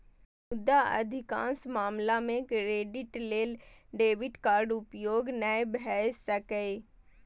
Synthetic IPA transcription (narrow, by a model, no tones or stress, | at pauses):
mʊd̪ːaɐ̰d̪ʱɪkã̰ːnsmaːmlamẽkɾeːɖɪʈleːlɖeːʋɪʈkaːɾɖʊpjoːɡnəebɦɛːssəkəe